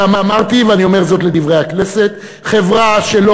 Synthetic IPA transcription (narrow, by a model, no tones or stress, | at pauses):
amamaʁt̪iveanio̞me̞ʁzo̞t̪led̪ivʁejhaknese̞t̪ | χe̞vʁaʃe̞lo